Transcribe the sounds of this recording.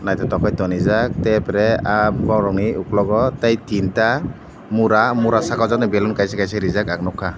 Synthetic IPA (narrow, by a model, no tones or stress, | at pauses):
najtʰɔtɔkʰajtɔnizak̚tɛpɾɛapbawɾɔŋniuklɔɡɔtajtʰinta | muɾamuɾasakawzak̚nɛbɛlunkajsɛkajsɛɾizakak̚nɔkʰːa